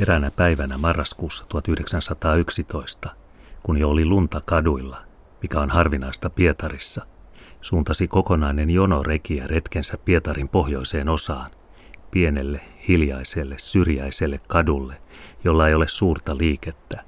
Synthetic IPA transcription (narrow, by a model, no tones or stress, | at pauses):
eɾænæpæiʋænæmɑrːɑskuːsːɑ̥t̪uhɑt̪yhdeksænsɑt̪ɑːyksit̪o̞ist̪ɑ̥ | kunjoolilunt̪ɑkɑduilːɑ | mikæo̞nhɑrʋinɑist̪ɑpiet̪ɑrisːɑ | suːnt̪ɑsiko̞konɑinenjonorekiæret̪kensæpːiet̪ɑɾimpo̞hjo̞ise̞ːno̞sɑːn | pie̞ne̞lːehiljɑiselːessyrjæiselːekkɑdulːejo̞lːɑejo̞le̞ssuːrt̪ɑliːket̪ːæ̥